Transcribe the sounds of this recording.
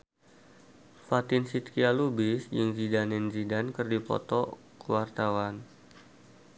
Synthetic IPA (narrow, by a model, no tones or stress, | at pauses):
fat̪ɪnsit̪̚kialubisd͡ʒəŋzidanɛnzidankərdipɔ̰t̪ɔ | kəwart̪awan